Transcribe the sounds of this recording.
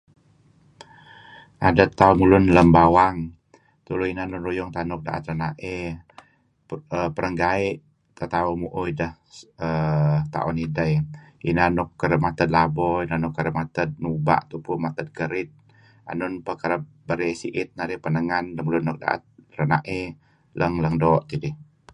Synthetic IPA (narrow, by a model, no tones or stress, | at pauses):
adət̪aumulʊnləmbawaŋ | t̪uluinanʊnrujʊŋt̪anʊk̚da̰ʔə̰t̪̚ɾənaʔɛ | əpəɾəŋɡaiʔ | t̪at̪aumuʔʊjdəhət̪a̰ʔɔ̰nidəjḭnanʊkːəɾəmat̪əd̪̚labɔinanʊkːaɾəmat̪ət̪̚nuba̰ʔt̪upumat̪ət̪̚kəɾɪt̪̚ | a̰nʊnpəkaɾə | bəɾesiʔɪt̪̚nadihpənəŋandəmulʊnːʊk̚da̰ʔə̰t̪̚ranaʔe | lʔəŋləŋdoʔt̪idɪh